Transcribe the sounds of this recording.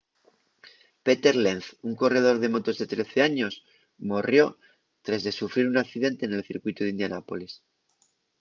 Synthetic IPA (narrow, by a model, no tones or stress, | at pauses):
pe̞t̪e̞ɾlenθuŋko̞re̞ð̞o̞ɾð̞e̞mo̞t̪o̞zðe̞t̪ɾe̞θe̞aɲo̞s | morjo̞ | t̪ɾazðe̞sufɾiɾunakθiðe̞nt̪e̞ːne̞lθiɾkwit̪uðind̪janapo̞lis